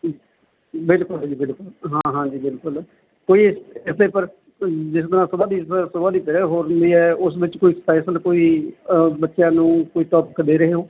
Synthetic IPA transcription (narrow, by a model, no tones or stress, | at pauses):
bɪlkʊlɦd͡ʒiːbɪlkʊlɦãːɦãːd͡ʒiːbɪlkʊl | koːiːɪsɪsleːpəɾ | d͡ʒɪs̬d̪əɾãːsʊbãːd̪iːssʊbaːd̪iːpəɾɛːɦoːɾnd̪iːɛːʊsʋɪt͡ʃkoːiːspɛːsəlkoːiː | bətːʃjãːnũːkoːiːt̪ɔːpkd̪eːɾəɦeːɦõː